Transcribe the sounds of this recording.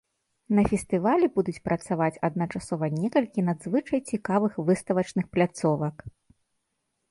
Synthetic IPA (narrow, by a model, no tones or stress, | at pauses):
nɐfʲɛst̪ɨvalʲɛbud̪ut͡sʲpɾʔɐt̪savat͡sʲɐd̪̚nɐt͡ʂasɔvɐnʲɛkɐlʲkʲinad̪zvɨt͡ʂɐjt͡sʲikavɨxvɨst̪ɐvɐt͡ʂnɨxplʲat̪sɔvɐk